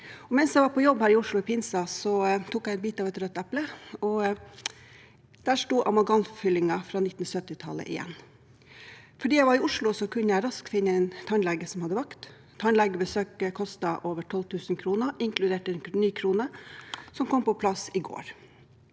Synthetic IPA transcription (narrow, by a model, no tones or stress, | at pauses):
ɔmɛnsjæɪʋɑɾpʰɔjɔbhæːɾɪʊʂɭʊɪpʰɪnsɑsɔt̪ʰuːkjæɪɛnbiːt̪ɑːʋɛt̪ɾœt̪ːɛpləɔ | d̪̥æːʂʈuːʔɑmɑɡɑnfʏlɪŋɑfɾɑːnɪt̪ːn̩sœt̪ːɪt̪ʰɑ̰lə̰ʔɪ̰jɛ̰nː | fɔɖiːjæɪʋɑɾɪʊʂlʊsɔkʰʉnːəjæɪɾɑskfɪnːəɛnt̪ʰɑnlɛɡəsɔmhɑd̪əʋɑkt̪ | t̪ʰːɑnlɛɡəbəsøːkəkʰɔst̪ɑʔoːʋəʈʰɔlt̪ʰʉːsn̩kʰɾuːnəʔɪŋklʉd̪eːʈɛnnyːkʰɾuːnəsɔmkʰɔmpɔpʰlɑsɪɡo̰ːɾ